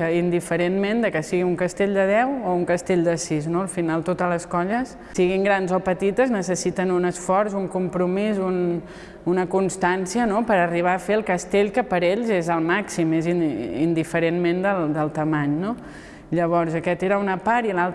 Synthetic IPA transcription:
əind̪ifəɾenmend̪əkəsiɣiuŋkəst̪eʎʲd̪əð̞ɛwouŋkəst̪eʎd̪əsiznoəlˠfinalˠt̪ot̪ələskɔʎəs | siɣ̞iŋɡɾanzopət̪it̪əznəsəsit̪ənunəsfɔɾzuŋkumpɾumizun | unəkunst̪ansiənopəɾəriβ̞aəfeəlˠkəst̪eʎkəpəɾeʎzezəlˠmaksimeziḭnd̪ifəɾenmend̪əlˠd̪əlˠt̪əmaɲno | ʎəβ̞ɔɾzəkɛt̪eɾəunəpaɾilalˠt

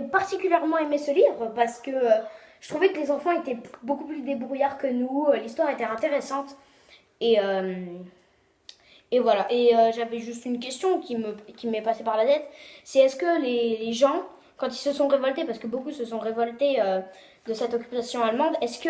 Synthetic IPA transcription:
ʒepaʁt̪ikʲyljɛʁmɑ̃emesəlivʁəpaʁsə̥kəøʒ̥ət̪χuvɛkəlezɑ̃fɑ̃et̪ɛbokuplysd̪ebʁujaʁkənuølist̪waʁet̪ɛɛ̃t̪eʁesɑ̃t̪ | eøm | evwalaʔeøʒavɛʒyst̪ynk̬ʲɛst̪jɔ̃kʲiməkʲimɛpasepaʁlat̪ɛt̪sɛɛskəleleʒɑ̃ | kɑ̃t̪ilsəsɔ̃ʁevɔlt̪epaʁsə̥kəbokusəsɔ̃ʁevɔlt̪eø | d̪əsɛt̪ɔkʲy̥pasjɔ̃almɑ̃d̪ɛskə

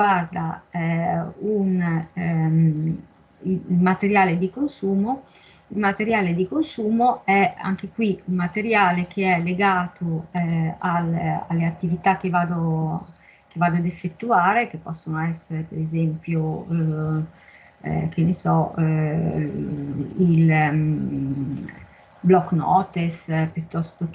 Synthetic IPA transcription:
ard̪aɛun | lmat̪eɾjaːled̪ikonsuːmo | ilmat̪eɾjaːled̪ikonsuːmoɛa̰ŋkekwiumat̪eɾjaːlek̟eɛlːeɡaːt̪oɛala̰lːeat̪ːivit̪akːevaːd̪o | k̟evaːd̪oad̪efːet̪ːuaːɾek̟epːɔsːonoɛsːeɾepeɾezɛmpjo | k̟ʰenesɔ | il | blɔkːnɔ̰ːt̪espjut̪ːɔst̪o

